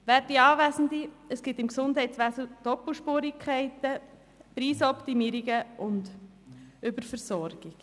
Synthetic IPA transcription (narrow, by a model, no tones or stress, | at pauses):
ʋæːɾtdiɑːvæsəndiəsɡ̥ɪt̪ɪmksʊnd̥ɦɛɪt̪sʋæsld̪̥ɔpl̩ʃpuːɾikʰχɛɪtə | pɾiːsɔpt̪imiːɾiɡəʔʊnd | ʏbəɾfəɾsɔɾɡ̥iɡ̥